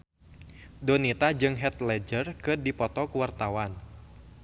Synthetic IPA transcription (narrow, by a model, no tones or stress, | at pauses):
dɔnit̪ad͡ʒɨŋɦɛt̪lɛd͡ʒərkɨrdipɔt̪ɔkuwart̪awan